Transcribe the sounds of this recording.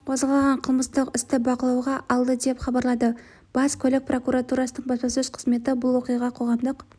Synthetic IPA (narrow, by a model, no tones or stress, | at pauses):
qʰozʁɑlˠʁɑɴqʰəlˠməst̪əqɪst̪ɪbɑqəlˠɑwʁɑʔɑlˠd̪əd̪e̞pχɑbɑɾlˠɑd̪ə | b̥ɑskʲʰɵlɪk̚prʔo̞kuɾat̪uɾasənəɴbɑspɑsɵz̥qʰəzme̞t̪ɪbʊlˠwo̞qijɑʁɑqʰo̞ʁɑmd̪əq